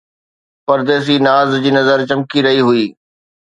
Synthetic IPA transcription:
pɐɾd̪eːs̬inaːzd͡ʑiːnɐzəɾt͡ɕɐ̃mkiɾɐɦiɦʊiː

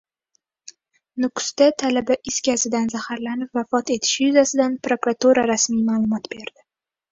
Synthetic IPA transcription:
nʊkʊ̥st̪at̪ʰalabaʔɪskʲazɪd̪anzahaɾlanɪpvafɒt̪e̞t̪ʰɪ̥ʃɪjʊzasɪd̪anpɾokɾat̪uɾaɾasmijmaːlˠʊmɒt̪be̞ɾd̪̥ɪ

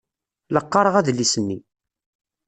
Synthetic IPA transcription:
ləqːɑɾˤəʁæðlːisənːi

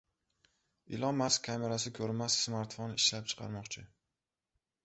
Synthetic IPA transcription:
ɪ̰lɒmːaskʲʰːame̞ɾasɪkʲʰɵɾmassmaɾt̪fonɪʃlap̚t͡ʃʰɨ̥qʰɑ̰ɾmɒqt͡ʃʰɪ

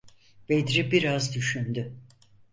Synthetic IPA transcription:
b̥ed̪ɾibiɾazd̪yʃynd̪y

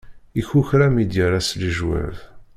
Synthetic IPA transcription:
içuçɾæmid̪jaɾasliʒwæ̰ɾθ

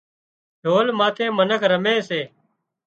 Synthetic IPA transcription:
ɖʱoːlmaːt̪ʰẽːmənəkʰɾəmẽːseː

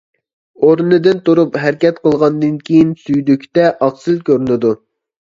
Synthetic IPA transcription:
oɾnɨd̪ɪnt̪uɾupɦæɾkʲɛt̪qʰəlˠʁɑnd̪ɨnkʲʰijinsyjd̪ykʲt̪ɛʔɑqsɨlkʲøɾynɪd̪u

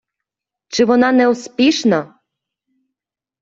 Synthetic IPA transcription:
t͡ʃɪʋɔnɑnɛuspʲiʃna

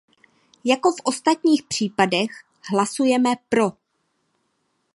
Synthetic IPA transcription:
jako̞fʔo̞st̪at̪ɲiːxpr̝̥iːpadɛx | ɦlasujɛmɛpɾo̞

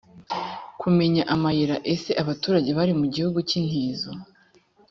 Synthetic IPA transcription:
kʰume̞ɲaʔamajiɾaʔe̞se̞ʔaβatuːɾaɟe̞βaɾimuɟihuɡucin̥hiːzo

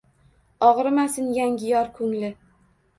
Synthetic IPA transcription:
ɒʁɾɪmasɪnjaŋɡʲɪjɒɾkʰʊŋlɪ

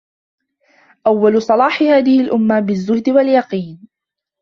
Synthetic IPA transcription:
ʔawːalʊsˤɑlɑːħɪhaːðɪhɪlʔʊmːabɪzːʊhd̪ɪwaljɑqiːn

